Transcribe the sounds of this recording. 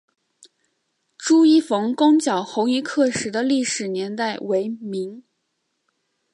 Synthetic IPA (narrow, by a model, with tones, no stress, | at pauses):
ʈ͡ʂu˥i˥˩fɤ˧˥ŋkʊ˥ŋt͡ɕjɑ˨˩ʊxo˧˥ŋi˧˥kʰɤ˥˩ʂɻ̩˨˧˥d̪ə˧li˥˩ʂɻ̩˨˩njɛ˧˥nt̪a˥˩ɪwe˧˥ɪmi˧˥ŋ